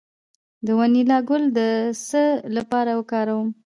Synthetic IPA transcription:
d̪əwanilɑɡʊld̪əsəlapɑɾawəkɑɾawəm

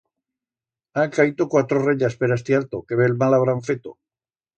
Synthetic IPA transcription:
akait̪okwat̪ɾoreʎaspeɾaest̪ealt̪okeβelmalaβ̞ɾaɱfet̪o

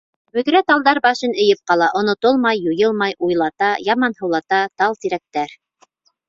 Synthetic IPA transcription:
bɵ̆ðɾæt̪ɑlˠd̪ɑɾbɑʃɤnɘ̆jɘp̚qɑlˠɑʔŏnŏt̪olˠmɑjːujɤlˠmɑjʔujlˠɑt̪ɑjɑmɑnhɤ̆wlˠɑt̪ɑt̪ɑlˠt̪iɾæk̚t̪æɾ

